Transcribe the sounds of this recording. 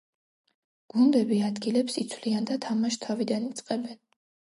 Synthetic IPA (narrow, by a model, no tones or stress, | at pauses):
ɡ̥und̪ɛbiad̪ɡilɛpsit̪sʰwliand̪at̪ʰamaʃt̪ʰavid̪anit̪sʼqʼɛbɛn